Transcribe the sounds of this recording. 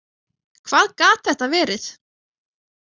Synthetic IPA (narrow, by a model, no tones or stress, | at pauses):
kʰvaːðkaːt̪̚θɛht̪avɛːɾɪθ